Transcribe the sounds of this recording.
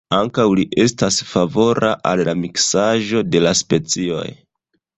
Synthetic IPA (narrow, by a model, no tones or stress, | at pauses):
aŋkawliʔe̞stasfavo̞ɾaʔalːamiksaʒo̞de̞laspe̞t͡sio̞̰j